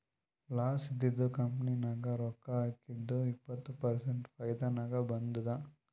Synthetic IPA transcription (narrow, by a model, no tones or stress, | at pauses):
laːsid̪ːid̪ːukɐmpɐninaːɡɐɾɔkːɐaːkid̪ːuipːɐt̪ːupɐɾseɳʈpʰɐjd̪ɐnaːɡɐbɐnd̪ud̪ɐ